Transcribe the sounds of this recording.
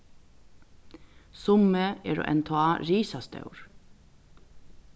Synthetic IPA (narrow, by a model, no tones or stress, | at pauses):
sʊməeːɾo̰ːʔɛ̰nt̪ʰoːɑːɹiːsɑst̪ɑ̰ʉɹ